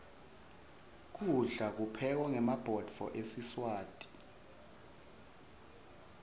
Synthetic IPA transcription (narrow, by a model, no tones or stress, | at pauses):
k̬uɮak̬upʰɛk̬ɔŋɛmab̥ʱɔd̥fɔ̰ʔesiswaːtʼi̥